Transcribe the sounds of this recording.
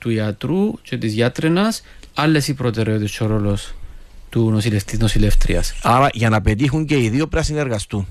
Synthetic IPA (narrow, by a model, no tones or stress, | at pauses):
t̪uiɐt̪ɾucet̪izʝɐt̪ɾenɐs | ɐlːe̞sipɾot̪eɾeot̪iest͡ʃoɾolost̪unosileft̪iznosileft̪ɾḭɐsɐɾɐʝɐnɐpet̪ixuɲce̞iðiopɾɐsine̞ɾɣɐst̪un